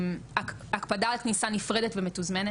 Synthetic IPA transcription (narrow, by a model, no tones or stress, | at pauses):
ma | akpadaːlknisanifʁedetvemetuzmene